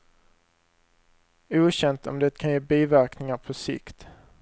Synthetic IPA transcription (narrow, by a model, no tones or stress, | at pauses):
uːɕɛnt̪ɔ̰md̪ɛt̪ːkʰanjeːbiːvæɾknɪŋaɾpʰɔsɪ̰kt̪